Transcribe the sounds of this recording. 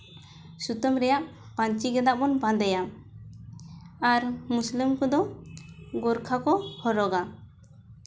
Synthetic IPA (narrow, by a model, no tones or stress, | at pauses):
sut̪ɔmɾɛjaʔ | paɲt͡ʃiɡɛd̪aʔmɔnbãd̪ɛja | aɾmuslimkɔd̪ɔ | ɡɔɾkʰakɔhɔɾɔɡa